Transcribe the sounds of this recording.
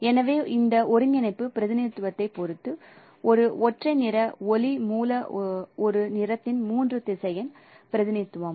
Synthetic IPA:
ɛnɐʋeːɪnd̪ɐʔɔɾɯɲɡɪnɐɪpːɯpɪɾɐðɪnɐt̪ːɯʋɐt̪ːɐɪpːɔɾɯt̪ːɯ | ɔɾɯɔʈrɐɪnɪɾɐɔlimuːlɐɔɾɯnɪɾɐt̪ːɪnmuːndrɯt̪ɪsɐjɐn | pɪɾɐðɪnɐt̪ːɯʋɐm

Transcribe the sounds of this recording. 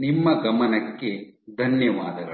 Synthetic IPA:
nimːɐɡɐmɐnɐkːe̞d̪ʱɐnjɐʋaːd̪ɐɡɐ

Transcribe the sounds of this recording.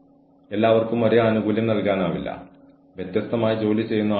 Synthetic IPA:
e̞lːaːʋɐrkumɐɾeaːnuɡuːljɐmnɐlkaːnaːʋilːɐ̰ | ʋjet̪jɐst̪ɐmaːjid͡ʑo̞ːlit͡ɕe̞jːunːɐ

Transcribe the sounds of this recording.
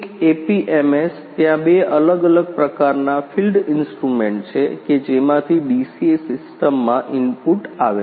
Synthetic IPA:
ekepiʔemest̪jãbeələɡələɡ̚pɾəkaɾnafʰilɖɪnsʈɾumẽɳʈt͡ʃʰeked͡ʒemãt̪ʰiɖisiesɪsʈəmːãʔɪmpuʈaʋe

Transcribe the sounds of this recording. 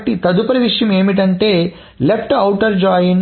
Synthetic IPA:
ʈːit̪ɐd̪upɐɾɐʋiʂjɐmeːmiʈ̬ɐɳʈe̞ː | lepʰʈɐwʈɐɾd͡ʒaːjin

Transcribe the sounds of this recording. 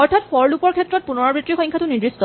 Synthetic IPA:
ɔɹtʰatfʰɔɹlupɔɹkʰɛtːɹɔt̚punɔɹabɹitɹixɔ̃ŋkʰatʊnidɹistɔ

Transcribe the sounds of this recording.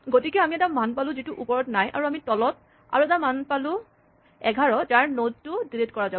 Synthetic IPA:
ɡotikɛamiɛtamanpalʊ̃zituʔupɔɹɔtnajʔa̰ɹuamitɔlɔt̚ | a̰ɹuɛtamanpalʊ̃ | ɛɡʱaɹɔzaɹnoztʊdiletkɔɹaza

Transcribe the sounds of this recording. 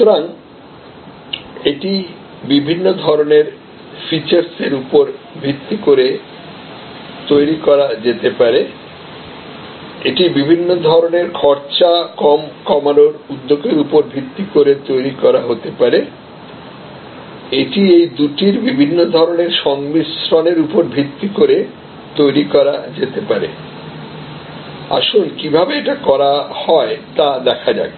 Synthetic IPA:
ut̪oɾaŋ | eʈi | bibʱinːod̪ʱɔɾoneɾ | fit͡ɕaɾseɾupoɾbʱɾit̪ːikoɾe | t̪ojɾikɔɾad͡ʑet̪epaɾe | eʈibibʱinːod̪ʱɔɾoneɾkʰɔɾt͡ɕakɔmkɔmanoɾud̪ːoɡeɾupoɾbʱit̪ːikoɾet̪ojɾikɔɾaɦot̪epaɾe | eʈiejd̪uʈiɾbibʱinːod̪ʱɔɾoneɾʃɔŋmisɾoneɾupoɾbʱit̪ːikoɾe | t̪ojɾikɔɾad͡ʑet̪epaɾḛ | a̰ʃunkibʱabeeʈakɔɾahɔet̪ad̪ɛkʰad͡ʑa̰e

